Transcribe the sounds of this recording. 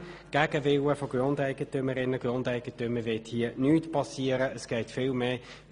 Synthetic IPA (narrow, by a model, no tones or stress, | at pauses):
ɡ̥æɡ̥əvɪwəfoɡ̥rʊndæɪɡətʏməɾɪnəɡ̥ʁʊndæɪɡ̥ətʏmːəvɪthiənyːtpɑsiːəɾəəsɡ̥ɛɪtfɪlmeː